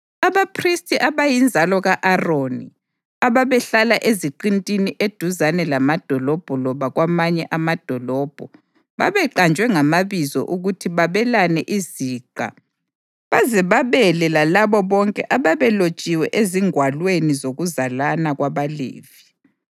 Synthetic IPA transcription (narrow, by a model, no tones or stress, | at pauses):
aβapʰristʼiʔaβajind͡zʱalɔɣaʔaroni | aβaβɛɬalaʔeziǃintʼiniʔed̥ʱuzanɛlamad̥ʱɔlɔb̥ʱɔlɔβaɣwamaɲɛʔamad̥ʱɔlɔb̥ʱɔ | βa̰βɛǃand͡ʒʱwɛŋamaβizɔ̰ʔuɣutʰiβaβɛlanɛʔiziːɡʱa̰ | βazɛβaβɛlɛlalaβɔβɔŋkʼɛʔaβaβɛlot͡ʃʼiwɛʔeziŋwalwenizoɣuzalanaɣwaβalḛːvi